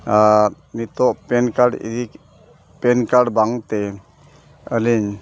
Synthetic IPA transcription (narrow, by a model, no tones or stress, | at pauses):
a | mit̪ɔʔpɛnkaɾɖḭd̪ik | pɛnkaɖbaŋt̪ɛ | əliɲ